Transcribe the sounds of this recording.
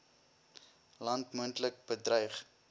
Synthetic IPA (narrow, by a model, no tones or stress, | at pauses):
lɐntmuəntlək̚bədrœɥχ